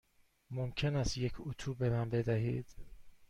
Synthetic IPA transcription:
momcʰe̞næst̪je̞cʰut̪ʰuːbemænbe̞d̪æɦḭːd̪̥

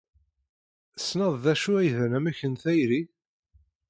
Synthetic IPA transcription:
snɑðˤðæʃuæjðænæmæçənθæjɾi

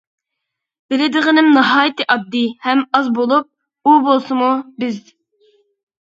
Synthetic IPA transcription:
b̥ɪlɪd̪ɨʁənɪmnɑɦɑːjt̪ɨʔɑd̪ːɨhɛmɑzbolˠup̚ | ubolˠsɨmubɪz

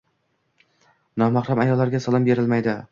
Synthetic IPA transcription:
nɒmaχɾamajɒlˠːaɾɡʲasalˠɪmbe̞ɾɪlmajd̪ɪ

